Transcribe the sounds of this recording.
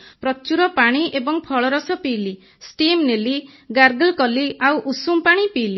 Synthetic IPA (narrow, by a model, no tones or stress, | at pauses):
pɾɔt͡ʃuɾɔpaɽ̃iʔebɔŋpʰɔɭɔɾɔsɔpiːli | sʈimneliɡaɾɡəlkɔliawʔusumpaɽ̃ipili